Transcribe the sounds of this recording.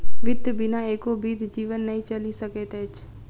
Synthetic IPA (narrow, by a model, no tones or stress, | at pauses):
ʋɪd̪ʱjəbɪnaeːkobiːd̪d͡ʒiːʋənːɐɦĩt͡ʃɐlisɐkeːt̪eːt͡ʃ